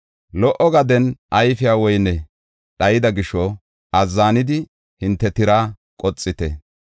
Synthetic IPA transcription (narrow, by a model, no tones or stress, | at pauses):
lɔʔɔɡɐd̪ɛnʔɐjfɪjaːwɔjnɛ | ɗɐjɪd̪ɐɡɪʃɔ | ɐzːaːnɪd̪ɪ | hɪnt̪ːɛt̪ɪɾaː | kʼɔt͡sʼːɪt̪ɛ̰